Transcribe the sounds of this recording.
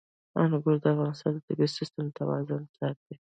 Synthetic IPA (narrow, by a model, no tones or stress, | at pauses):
ɑ̰nʊɡʊɾd̪əafɣɑnɪst̪ɑnd̪əd̪ɪɡasɪst̪əmd̪ət̪awɑ̰zʊnsɑt̪̚d̪e